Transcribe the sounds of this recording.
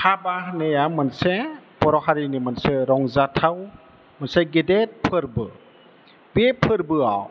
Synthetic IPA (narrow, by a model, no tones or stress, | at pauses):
habahnejamɯnsepɔɾɔɦaɾinimanseɾɔŋzatʰaw | mansaɡedet̚pʰɯɾbɯ | bepʰɯɾbɯaw